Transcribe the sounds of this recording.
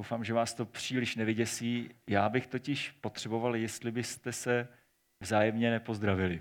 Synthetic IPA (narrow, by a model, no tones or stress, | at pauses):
owfaːmʒɛvaːst̪o̞pr̝̥iːlɪʃnɛvɪɟɛsiːjaːbɪxt̪o̞cɪʃpo̞t̪r̝̥ɛbo̞valjɛst̪lɪbɪst̪ɛsɛ | vzaːjɛmɲɛnɛpo̞zd̪ɾavɪlɪ